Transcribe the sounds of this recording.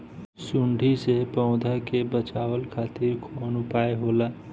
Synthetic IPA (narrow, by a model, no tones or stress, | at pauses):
sʊɳɖʱisepɔ̃ʊ̃d̪ʱakebət͡ʃaːwəlkʰaːt̪ɪɾkʰonʊpaːeɦoːla